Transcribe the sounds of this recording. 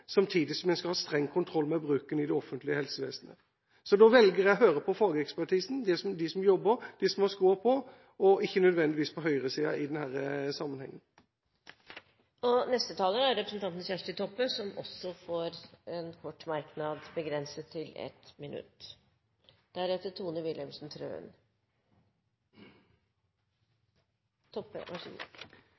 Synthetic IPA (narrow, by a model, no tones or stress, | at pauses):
sɑmt̪ʰiːd̪ɪsɔmjæskɑlhɑːst̪ɾɛŋːkʰʊnt̪ʰɾɔlːmɛbɾʉːkənɪd̪ɛɔfːənt̪lɪəhɛlsəʋḛːsnə̰ | sɔd̪ɔʋɛlɡəʁjæɦøːɾəpʰɔfɑːɡəɛkspæʈʰiːsn̩d̪ɛsɔmd̪ɪsɔmjɔbːəɾd̪̥ɪsɔmɑskuːəpʰɔ | ɔʔɪçːənœd̪ʋɛnd̪ɪʋiːspʰɔɦœʏʁəsiːɑ̰ʔɪd̪ɛnhæːɾəsɑmːənhɛ̰ŋːən | ɔnɛst̪ət̪ʰɑːlənæɾɾɛpɾəsnt̪ʰɑnt̪n̩sjæʂʈət̪ʰɔpːəsɔmɔ̰sɔfoːɾɛnkʰɔʈːmɑɾknɑd̪bəɡɾɛnsət̪ʰːɪlɛ̰t̪mɪnʔʉ̰t̪ː | d̪̥æɾɛt̪ːət̪ʰuːnəʋɪlɛmsnt̪ʰɾø̰ːə̰n | t̪ʰɔpːə̰ʋɑ